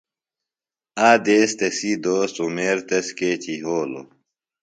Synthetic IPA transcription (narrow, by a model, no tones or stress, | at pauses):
aːd̪eːst̪ɐsid̪oːst̪umeːɾt̪ɐskeːt͡ɕiɦoːlo̰